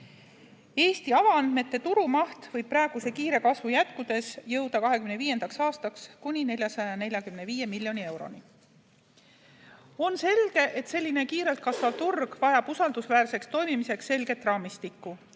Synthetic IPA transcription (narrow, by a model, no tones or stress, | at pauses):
e̞ːst̪iɑvɑɑnd̪̥me̞t̪ːe̞t̪uɾumɑht̪vɤjb̚pːrɑeɡ̥use̞kiːɾe̞kɑsvujæt̪kud̪̥e̞sjɤwd̪̥ɑkɑɦekymne̞viːje̞nd̪̥ɑksɑːst̪ɑkskunʲine̞lʲjɑsɑjɑjɑne̞lʲjɑkymne̞viːje̞milʲjo̞nie̞wɾo̞̰ni | o̞nse̞lɡ̥e̞ʔe̞t̪se̞lʲːine̞kiːɾe̞lt̪̚kɑsvɑvt̪urɡ̥vɑjɑb̥usɑld̪usvæːɾse̞kst̪o̞jmimise̞ksːe̞lɡe̞t̪ːˑrɑːmist̪ikːu